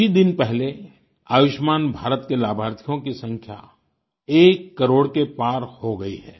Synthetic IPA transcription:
id̪ɪnpɛɦle | aːʋɪʃmaːnbʱaːɾət̪kelaːbʱaːɾt̪ʰijõkisɐ̃ŋkʰja̰ | eːkːɐɾoːɽkepaːɾhoɡɐḭɦɛː

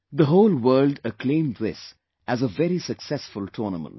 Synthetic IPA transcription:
ðəɦoʊlwɜːldəkʰlẽɪ̃mðɪ̰s | ʔæzəvɛɾisəksɛsfʊlʈʰɔːnəmə̰̃n

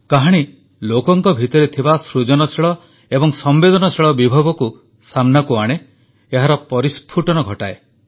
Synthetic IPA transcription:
kaɦaɽ̃i | lokɔŋkɔbʱit̪ɔɾet̪ʰibasɾud͡ʒɔnɔsʰiɭɔ | ebɔŋsɔmbed̪ɔnɔsʰiɭɔbibʱɔbɔku | samnakuaɽ̃e | eɦaɾɔpɔɾispʰuʈɔnɔɡʱɔʈae

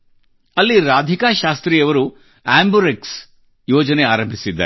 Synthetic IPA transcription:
ɐlːiɾaːd̪ʱikaːʃaːst̪ɾijɐʋɐɾu | aːmbuɾeks | joːd͡ʒɐneaːɾɐmbʱisid̪ːa̰

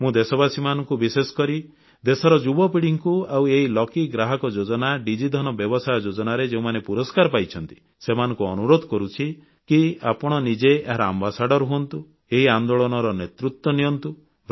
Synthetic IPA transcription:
mũd̪esɔbasimanɔŋkubisesɔ̥kɔɾi | d̪esɔɾɔd͡ʒubɔpiɽiŋkuaweɦilɔkiɡɾaɦɔkɔd͡ʒod͡ʒɔnaɖid͡ʒid̪ʱɔnɔbjɔbɔsajɔd͡ʒod͡ʒɔnaɾed͡ʒeũmanepuɾɔskaɾɔpajt͡ʃʰɔnt̪i̥ | semanɔŋkuɔnuɾod̪ʱɔkɔɾut͡ʃʰi | kiapɔɽ̃ɔnid͡ʒeeɦaɾɔambasaɖɔɾɦuɔnt̪u | eɦiand̪oɭɔnɔɾɔnet̪ɾut̪wɔniɔnt̪u

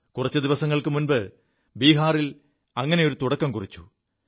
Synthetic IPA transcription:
kurɐt͡ɕːɨd̪iʋɐsɐŋːɐɭkɨmunbɨ | biːɦaːril | ɐŋːɐne̞jo̞ɾut̪uɽɐkːɐmkurit͡ɕːu̥

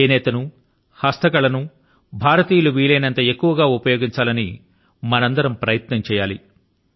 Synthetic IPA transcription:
enɛːt̪ɐnu | hɐst̪ɐkɐɭɐnu | bʱaːɾɐt̪iːjɐluʋiːleːnɐnt̪ɐe̞kːuʋɐɡaːupɐjo̞ːɡiɲt͡ʃaːlɐni | mɐnɐnd̪ɐɾɐmpɾɐjɐt̪nɐmt͡ʃɛːjaːli

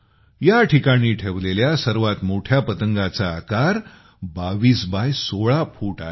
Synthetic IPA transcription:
jaʈʰikaɽ̃iːʈʰeʋleljasəɾʋat̪moʈʰjapət̪əŋɡat͡saːkaɾ | baʋiːsbajsoɭapʰuːʈa

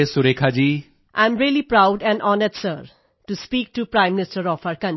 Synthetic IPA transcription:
esuɾekʰad͡ʒiː | ʔã̰ɪ̃mɾilipɾaʊɖɛ̃nɖɔːnəsʈsə̰ɾ | ʈuspiːk̚ʈupɾãɪ̃mːɪnɪsʈəɾɔfaɾkʌ̃n

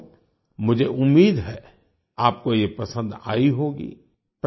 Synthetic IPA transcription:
mʊd͡ʒʱeʔʊmːiːd̪ɦɛː | aːp̚kojepɐsə̃nd̪a̰ːiɦoːɡḭː | p

